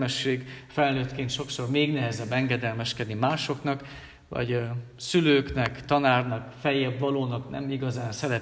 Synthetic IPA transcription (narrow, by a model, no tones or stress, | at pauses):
ɛʃːeːɡfɛlnøːt̪keːnt̪ʃo̞kso̞rmeːɡnɛɦɛzɛbːɛŋɡɛd̪ɛlmɛʃkɛd̪nimaːʃo̞knɒk | vɒ̰ɟ | syløːknɛkt̪ɒnaːrnɒkfɛjɛbvɒloːnɒknɛ̰miɡɒzaːnsɛɾɛ